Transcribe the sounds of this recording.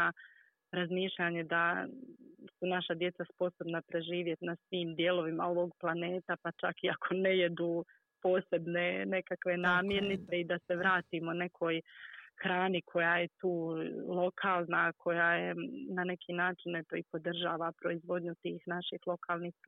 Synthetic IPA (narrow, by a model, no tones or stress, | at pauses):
a | ɾazmiːʃʎaɲe̞d̪a | sunaʃad̪je̞t̪saspo̞so̞bnapɾe̞ʒiːʋje̞t̪nasʋiːmd̪je̞ːlo̞ʋimao̞ʋoɡplˠane̞ːt̪apat͡ʃakiakʰo̞ne̞je̞d̪uː | po̞ːse̞bne̞ne̞kakʋe̞naːmje̞ɾnit̪se̞id̪ase̞ʋɾaːt̪iːmone̞kʰo̞ːjxɾaːnikʰo̞jaːje̞t̪uːlˠo̞kʰaːlˠnakʰo̞jaːjenane̞kʰinaːt͡ʃinet̪oːipo̞d̪r̩ʒaːʋapɾo̞izʋo̞d̪ɲut̪iːxnaʃixlˠo̞kʰaːlˠniːx